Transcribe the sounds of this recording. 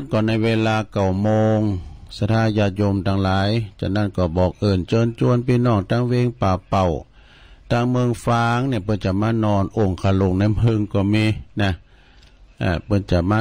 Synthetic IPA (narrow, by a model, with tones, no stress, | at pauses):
nkɔː˧˩na˧˨jweː˧laː˧ka˨˩wmoː˧ŋsa˧t̪ʰaː˧˥˨jaː˧jo˧mt̪ʰa˧ŋlaː˨˦jt͡ɕa̰˧˩na˧˩˨nkɔː˧˩bɔː˨˩k̚ʔɤː˧˩nt͡ɕɤː˧nt͡ɕu˧˥ə˨npiː˧˨nɔː˧˩ŋt̪ʰaː˧ŋweː˧ŋpaː˨˩pa˨˩w | t̪ʰaː˧˩˨ŋmɯː˧ŋfaː˧ŋnaː˧˩˨pɤ˧nt͡ɕa˨˩maː˧˥˨nɔː˧˩nʔo˧˩ŋkʰaː˧˩lo˧˩ŋna˧˥˩jmɯ˧˨ŋkɔː˧˩miː˧˩˨na˧ | ʔaː˧˩pɤ˧nt͡ɕa˨˩maː˧